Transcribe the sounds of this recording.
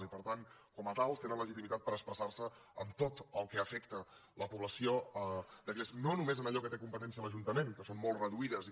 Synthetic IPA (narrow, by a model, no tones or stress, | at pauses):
ipəɾt̪ankɔmət̪alˠst̪enənləʒit̪imit̪at̪̚pəɾəkspɾəsarsəə̰mt̪ot̪əlˠkəəfɛkt̪ələpuβləsioəd̪əɾʎesnonumezənəʎɔkət̪ekumpət̪ɛnsiələʒunt̪əmenkəsonmolˠtrəðuiðəzi